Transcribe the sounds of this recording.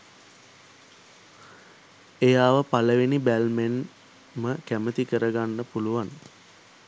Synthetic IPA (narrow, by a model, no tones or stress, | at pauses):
ejaːʋəpaləʋenibælmen | məkæmət̪ikəɾəɡanːəpuluʋan